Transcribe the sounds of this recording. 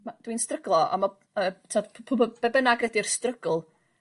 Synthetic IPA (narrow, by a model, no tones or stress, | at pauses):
mad̥winstrəɡlˠɔa̰mɔ | əːtʰːɔdʰpʰʊbɔb̥ɛbənaɡrɛdirstrəɡ̥l̩ˠ